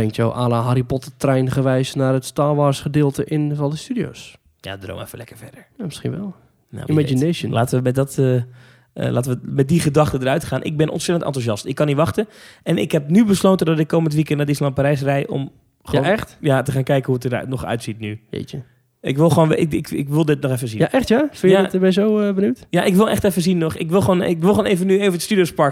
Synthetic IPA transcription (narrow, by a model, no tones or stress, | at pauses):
ɛŋktjo̰wʔaːləɦaɾipɔtətrɛjnχəʋɛjsnaːrətstaːʋɔɹsχədɪːlˠtəʔɪnvɔlˠdəstydio̰s | ja̰dro̰wmɛ̰fəlɛkəɹfɛdəɹjamɪsχḭnʋɛ̰lˠ | ja̰mad͡ʒineʃənlaːtəʋəmɛt̚dɔtə̰ | lʔaːtəʋəmɛt̚diχədɑxtədəɾœɥtχaːnʔɪ̰ɡ̚bɪnʔɔ̰ntsɛtəntɑ̰ntuzɑstɪkːɑnitʋɑxtənɛnɪ̰kɦɛp̚nybəslowtəndɔtɪkːowməntʋikɛntnaːdɪslɑnpaɾɛjs̬rɛjʔɔ̰m | χəoɛxtjatəχaːnkɛjkənhuətəd̰nɔχœ̰ɥtsitnyjḛt͡ʃə | ɪkʋɪlˠxəʋoːnʋɪkɪkɪ̰kʋɪlˠdɪt̚nɔχɛfəzijanʔɛxtjafɪnjatbɛjzowəbənywtjaʔɪkʋɪlˠɛχtɛfəzinːɔχɪ̰kʋɪlˠəʋoːnɪkʋɪlˠxoːnejvənyeːvənətstydijospɑɹ